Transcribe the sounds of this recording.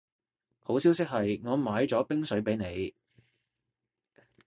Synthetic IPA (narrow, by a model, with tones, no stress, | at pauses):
ho˨˥wsiː˨˥wsɪ˥k̚ɦɐ˨jŋɔː˨˧maː˨˧jt͡sɔː˨˥pɪ˥ŋsɵ˨˥ɥpe˨˥jne˨˧j